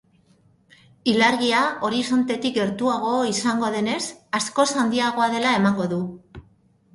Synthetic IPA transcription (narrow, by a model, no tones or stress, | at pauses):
ilaɾɣiao̞ɾiso̞nt̪e̞t̪ik̚ɡe̞ɾt̪uaɣ̞o̞isaŋɡo̞ðe̞ne̞sasko̞sand̪iaɣ̞o̞aðe̞lae̞maŋɡo̞ðu